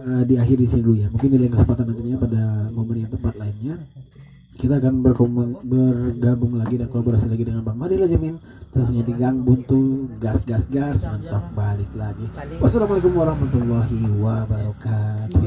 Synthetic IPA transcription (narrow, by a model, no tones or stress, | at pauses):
ədiaɦɪrdisinilujamuŋkɪndilaɪnkəsəmpat̪anːant̪iɲapadamomənjant̪əmpat̪̚laɪnɲa | kit̪aːkanbərkomənbərɡabʊŋlaɡidankəolaboɾasilaɡidəŋanbaŋmadilad͡ʒamɪn | t̪əɾusɲadiɡaŋbʊŋt̪uɡasɡasɡasmənt̪ɔk̚balɪk̚laɡiwasalamalekʊmwaɾɑhmat̪ulːɔɦiwabaɾɔkat̪u